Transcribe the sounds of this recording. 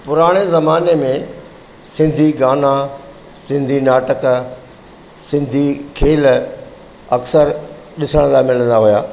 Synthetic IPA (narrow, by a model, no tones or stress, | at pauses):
pʊɾaːɽ̃ezɐmaːnemẽ | sɪ̃nd̪ʱiɡaːna | sɪ̃nd̪ʱinaːʈək | sɪ̃nd̪ʱikʰeːl | ɐksəɾ | ɗɪsəɽ̃d̪amɪlə̃nd̪aɦujaː